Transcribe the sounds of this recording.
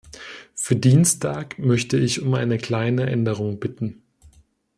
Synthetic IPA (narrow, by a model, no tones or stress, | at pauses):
fyːɐdiːnstʰaːkmœçtəɪçʊmʔa̰ɪnəkl̥aɪnəʔɛndəʁ̞ʊŋbɪtn̩